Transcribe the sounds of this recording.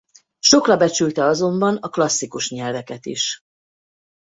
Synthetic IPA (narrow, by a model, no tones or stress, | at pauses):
ʃo̞krɒbɛt͡ʃylt̪ɛɒzo̞mbɒnɒklɒsːikuʃɲɛlvɛkɛt̪ḭʃ